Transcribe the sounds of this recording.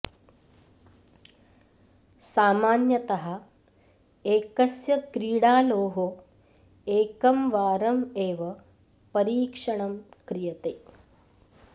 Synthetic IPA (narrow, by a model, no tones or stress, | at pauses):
saːmaːnjɐt̪ɐɦɐ | eːkɐsjɐkɾiːɽaːloːɦo | eːkɐmʋaːɾɐmeːʋɐ | pɐɾiːkʂɐɳɐmkɾijɐt̪eː